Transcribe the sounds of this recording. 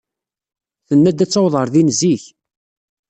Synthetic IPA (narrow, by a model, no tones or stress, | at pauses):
θənːæd̪æt͡sːɑwðˤəɾˤðinziç